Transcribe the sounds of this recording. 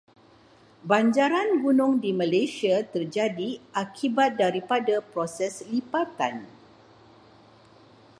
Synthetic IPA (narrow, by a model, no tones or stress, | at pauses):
baɲd͡ʒaɾanɡunʊ̃ŋdimãlajsiat̪ərd͡ʒadiʔakʰibat̪̚daɾipadapɾosɛslipat̪a̰n